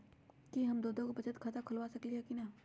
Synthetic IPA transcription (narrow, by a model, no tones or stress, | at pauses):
kiɦɐmd̪oːd̪õkobɐt͡ʃət̪kʰat̪akʰʊlʋasɐkliɦɛkinaː